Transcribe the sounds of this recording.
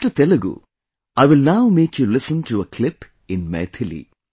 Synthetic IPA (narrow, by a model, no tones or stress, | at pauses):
ʈɨt̪ɛluɡṵ | ajʋɪlnawmeːkʰjulɪsə̃ntuəkʰlɪp | ɪ̃nmḛt̪ʰɪlḭ